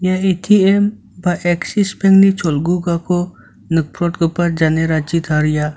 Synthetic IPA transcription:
jaetʰiem | baʔeksispʰeŋɡnit͡ʃʰɔlɡuɡakɔ | nək̚pɾɔʈɡəpaɾd͡ʒaneɾat͡ʃit̪ʰaɾja

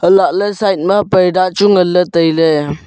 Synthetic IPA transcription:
əlaʔləsajt̚mɐpəjdat͡ʃuŋələtəjle

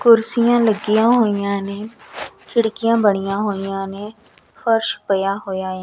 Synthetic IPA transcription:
kʊɾsɪjãːləɡɪjãːɦoːijãːnẽːkʰɪɽkijãːbəɽ̃ɪjãːɦoːijãːnẽː | pʰəɾʃpəjaːɦoːjaːẽː

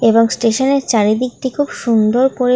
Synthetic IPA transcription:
eboŋsʈeʃoneɾt͡ɕaɾid̪iɡ̚ʈikʰubʃund̪oɾpoɾe

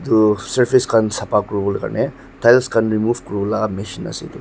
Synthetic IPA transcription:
d̪usɐɾpʰiskansɐpakɾubulkɐ̰ɾne | t̪ʰajlskanɾimubkɾulameʃinɐ̰sḭd̪u

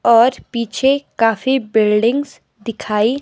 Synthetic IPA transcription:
ɔːɾpiːt͡ʃʰekaːfibɪlɖɪ̃ŋɡz | d̪ɪkʰaːi

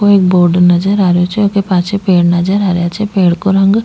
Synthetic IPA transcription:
oeːk̚boːɾɖnɐd͡ʒəɾaːɾjot͡ʃʰeokepaːt͡ʃʰepeːɽnɐd͡ʒəɾaːɾjat͡ʃʰepeːɽkoɾɐ̃ŋɡ

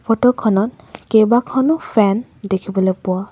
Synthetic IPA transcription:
pʰɔtɔkʰɔnɔt̚ | kejbakʰɔnʊpʰɛndekʰibɔlojpʊa

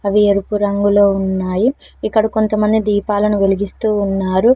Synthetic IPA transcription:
ɐʋieɾupuɾɐŋɡulo̞ːunːaːjiikːɐɽɐko̞nt̪ɐmɐnd̪id̪iːpaːlɐnuʋeliɡist̪uːnːaːɾu

